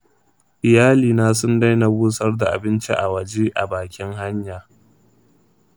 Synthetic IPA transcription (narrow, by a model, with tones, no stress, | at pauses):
ʔɪ˨jaː˦liː˨naː˦s̬ʊ˦nda˦jna˨bʊː˦sɐ˦rda˨ʔa̰˨bɪ˦nt͡ʃḭ˦ʔa˨wɐ˨d͡ʒeː˦ʔa̰˨baː˨kʲɪ˦ŋɦa˦ɲjaː˨